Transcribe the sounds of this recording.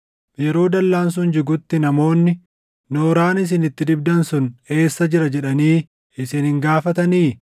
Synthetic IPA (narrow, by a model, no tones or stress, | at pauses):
jɛɾo̞ːd̪ɐlːaːns̬ʊnd͡ʒɪɡʊt̪ːɪnɐmo̞ːnːɪ | noːɾaːnɪs̬ɪnɪt̪ːɪd̪ɪbd̪ɐnsʊne̞ːsːɐd͡ʒɪɾɐd͡ʒɛᶑɐniː | ɪsɪnhɪŋɡaːfɐt̪ɐniː